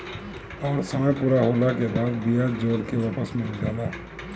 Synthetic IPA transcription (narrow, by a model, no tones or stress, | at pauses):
ɔːɾsəməjpuːɾaɦoːlakebaːd̪bijad͡ʒoːɾkeʋaːpəsmẽɡaːla